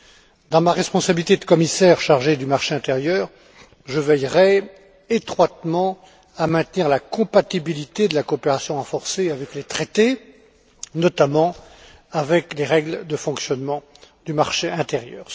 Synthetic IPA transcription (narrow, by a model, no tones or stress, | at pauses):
d̪ɑ̃maʁɛspɔ̃sabilit̪ed̪əkɔmisɛʁʃaʁʒed̪ymaʁʃeɛ̃t̪eʁjœːʁ | ʒəvɛjʁɛ | et̪χwat̪mɑ̃ | amɛ̃t̪niʁlakɔ̃pat̪ibilit̪ed̪əlakɔːpeʁasjɔ̃ɑ̃fɔʁseavɛklet̪χet̪e | nɔt̪amɑ̃ | avɛkleʁɛɡld̪əfɔ̃ksjɔnmɑ̃ | d̪ymaʁʃeɛ̃t̪eʁjœ̰ːʁ